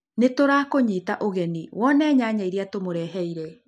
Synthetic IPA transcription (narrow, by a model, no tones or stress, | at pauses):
netoɾaːkoɲiːtaʔoɣɛniwɔnɛːɲaːɲaiɾiatomoɾɛːɦɛiɾɛ